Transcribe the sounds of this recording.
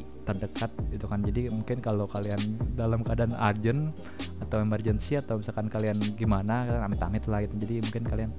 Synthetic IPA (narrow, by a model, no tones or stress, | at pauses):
t̪ərdəkat̪̚it̪ukand͡ʒadimuŋkɪnkalokaliandalamkadanard͡ʒən | at̪awɛmərd͡ʒənsiat̪awbisakankalianɡimanakaamɪt̪a̰mɪt̪lahɡit̪ud͡ʒadimuŋkɪnkalian